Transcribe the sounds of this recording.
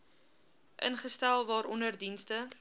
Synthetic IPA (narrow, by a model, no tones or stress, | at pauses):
ʔə̰nχəstælˠvɑːɾɔndərdinstə